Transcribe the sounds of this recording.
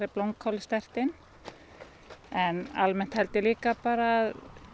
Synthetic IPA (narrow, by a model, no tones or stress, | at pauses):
ɾɪplowŋkhɔlst̪ɛr̥t̪ɪn | ɛnalmɛn̥t̪hɛlt̪ɪliːkapaːɾað